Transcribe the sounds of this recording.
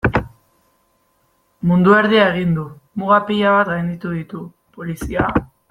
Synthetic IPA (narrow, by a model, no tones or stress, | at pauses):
mund̪ueɾðiae̞ɣ̞ind̪umuɣapiʎaβat̪ɡajnd̪it̪uðit̪u | polisia